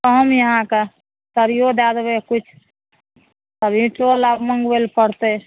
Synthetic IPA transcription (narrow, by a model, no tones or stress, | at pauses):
t̪əɦəmjəɦãke | səɾijod̪ad̪bekut͡ʃʰ | səɾĩʈolabməŋɡwelpəɾt̪e